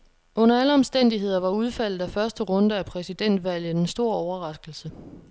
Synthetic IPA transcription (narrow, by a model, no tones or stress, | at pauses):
ʔɔ̽n̰ɐæləɒ̽msd̥en̰d̥iɦe̝ð̞̰ˠɐʋɑ̈uð̞ˠfæl̰ð̩ˠæfɶɐsd̥əʁɔ̽nd̥əæpʰʁɛsid̥en̰d̥ʋæl̰ð̩ˠensd̥o̝ɐ̰ɒʊɐʁɑ̈sɡ̥l̩sə